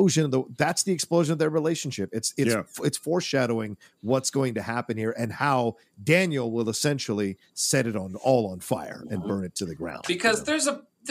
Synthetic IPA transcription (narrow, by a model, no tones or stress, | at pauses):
ʊʒɨ̃nðəðætsðiɨksploʊʒɨ̃nʌvðə˞ɹileɪʃɨ̃n̩ʃɪpɨtsɨɨtsfɔɹʃæɾoʊɪ̃ŋ | wʌtsɡ̥oʊɪ̃ŋtɨhæpɨ̃nhiɹʔɨ̃nhaʊ | dæ̃njl̩ˠwɪlˠəsɛ̃nʃl̩ˠi | sɛɾɨɾn̩ɔlˠə̃n̩faɪə̰˞ɨ̃nbɜ̃˞nɨtʰɨðɨɡɹã̰ʊ̃nb̥ɨkʰʌzðə˞zə | ð